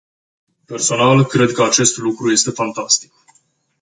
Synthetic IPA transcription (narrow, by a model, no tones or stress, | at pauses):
pe̞rso̞nalkɾe̞d̪kəat͡ʃe̞st̪lukɾuje̞st̪e̞fant̪ast̪i̥k̚